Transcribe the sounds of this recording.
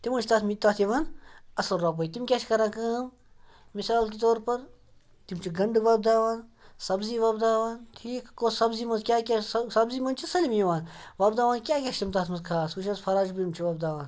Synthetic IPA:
t̪imɐnt͡ʃʰt̪aːt̪ʰmit̪aːt̪ʰiʋaːnɐsɐlɾaːp̬oːit̪imkʲet͡ʃkɐɾãːkɐm | misaːlkit̪oːɾpɐɾ | t̪imt͡ʃʰiɡɐɳɖʋaːb̚d̪aːʋaːnsɐbziːʋɐbd̪aːʋaːnʈʰiːkkosɐbzimɐnzkʲaːkʲessɐbziːmɐnt͡ʃʰisɐlimiʋaːnʋaːbd̪aːʋaːnkʲjaːkʲeʃt̪imt̪aːt̪ʰmɐnzkʰaːskuʃʰɐzpʰɐɾaːd͡ʒbimt͡ʃʰiʋɐːb̚d̪aːʋaːn

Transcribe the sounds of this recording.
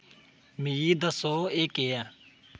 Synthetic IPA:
miiːd̪əsoːeːkeːɛː

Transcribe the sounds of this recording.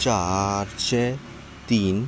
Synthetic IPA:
t͡ʃaɾt͡ʃe | t̪iːn

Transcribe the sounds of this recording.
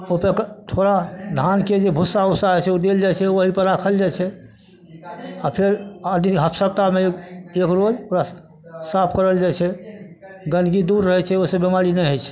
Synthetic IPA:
opekt̪ʰoɾad̪ʱanked͡ʒebʱusausaɦɛt͡ʃʰɛod̪eld͡ʒajt͡ʃʰɛoɦipəɾakʰəld͡ʒat͡ʃʰɛ | apʰeɾəd̪niɦəpʰsəb̚t̪amekekɾod͡ʒoɾa | sapʰkəɾəld͡ʒajt͡ʃʰɛ | ɡənɡid̪uɾːəɦɛt͡ʃʰɛosə̃bemaɾinɛjɦəjt͡ʃʰɛ̥

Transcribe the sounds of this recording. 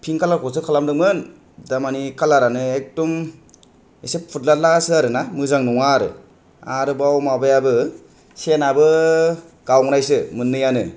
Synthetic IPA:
pʰiŋkʰalaɾkʰɔs̬ɯkʰalamdɯŋmɯn | damanikʰalaɾanɯek̚dɔm | eseppʰut̚lat̚lasɯaɾɯnamɯzaŋnɔŋaɾɯ̰ | aɾɯbawmabajabɯ | senabɯ | ɡawŋnajsɯmɯnːɯjanɯ

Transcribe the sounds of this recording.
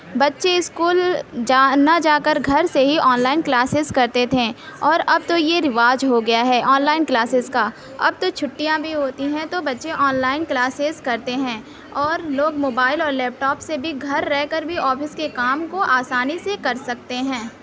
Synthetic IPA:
bɐtːʃeɪskuːld͡ʒaːnad͡ʒaːkəɾɡʱɐɾseɦiʔɔːnlaːɪnklaːsɪzkɐɾt̪et̪ʰẽɔːɾɐb̚t̪ojeɾɪʋaːd͡ʒɦoɡɐjaɦɛːʔɔːnlaːɪnklaːsɪzka | ɐ̰b̚t̪ot͡ʃʰʊʈːijãbʱiɦoːt̪iɦɛ̃t̪obɐtːʃeʔɔːnlaːɪnklaːsɪzkɐɾt̪eɦɛ̃ː | ɔːɾloːɡmoːbaːɪlɔːɾlɛːp̚ʈɔːpsebʱiɡʱɐɾːɛɦkəɾbʱiɔːfɪskekaːmkoʔaːsaːnisekɐɾsɐk̚t̪eɦɛ̃ː

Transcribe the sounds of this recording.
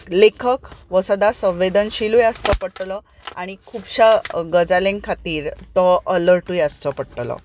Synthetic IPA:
lekʰəkʋəsəd̪asə̃ʋʋed̪ənɕiluːjəst͡səpəʈlɔ | aɽ̃ikʰuːbɕaɡəd͡zalẽŋɡkʰat̪iːɾt̪ɔʔələɾʈuːjast͡səpəɽʈlɔ̰

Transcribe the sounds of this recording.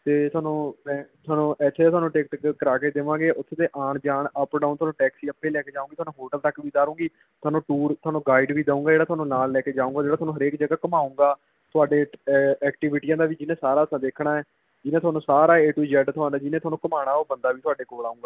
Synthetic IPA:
t̪eːt̪ʰʊaːnũːmɛ̃ːt̪ʰʊaːnũːʔɛːt͡ʃʰaeːt̪ʊaːnũːʈeːk̪̚kkəɾaːkeːd̪ɪʋãːɡeːʔʊt̪ʰːeːt̪eːʔaːɳd͡ʒaːɳəpɖaːnt̪ʊwaːnũːʈɛːksiːəpːeːlɛːkeːd͡ʒaːũːɡit̪ʰwaːnũːɦoːʈəlt̪əkːʋiːd̪aːɾõːɡiː | t̪ʰʊaːnũːʈuːɾt̪ʰʊaːnũːɡaːiɖʋiːd̪aũːŋɡaːd͡ʒeːɽat̪ʊwaːnũːnaːlːɛːkeːd͡ʒaːũːŋɡaːd͡ʒeːɽaːt̪ʊaːnũːɦəɾeːkd͡ʒəɡaːkəmaːũːŋɡaː | t̪ʰʊaːɖeːɛːkʈɪʋɪʈiːjãːd̪aːʋiːd͡ʒɪnẽːsaːɾaːsãːd̪eːkʰɳaːɛː | d͡ʒɪnẽːt̪ʊwaːnũːsaːɾaːeːʈuːd͡ʒɛːɖt̪ʰʊãːnd̪aːd͡ʒɪnẽt̪ʰoaːnũːkəmaːɽ̃aːoːbənd̪aːʋiːt̪ʰʊaːɖeːkoːlaːũːŋɡaː

